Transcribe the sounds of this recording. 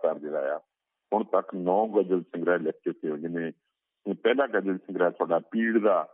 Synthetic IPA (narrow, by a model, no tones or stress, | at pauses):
t̪aɾd̪eːɾa̰ːja̰ː | hʊɳt̪əknɔ̃ːɡəd͡ʒəlsə̃ŋɡɾaːlɛːkʰːot̪ʰːeːɦõːd͡ʒɪnẽː | pɛːlaːɡəd͡ʒəlsəŋɡɾaːt̪ʰʊaːɖaːpiːɽd̪aː